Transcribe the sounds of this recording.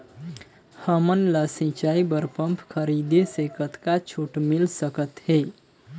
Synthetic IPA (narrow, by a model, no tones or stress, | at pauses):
həmənləsĩt͡ʃaibəɾpəmpʰkʰəɾid̪esekət̪kat͡ʃʰuʈmilsəkət̪he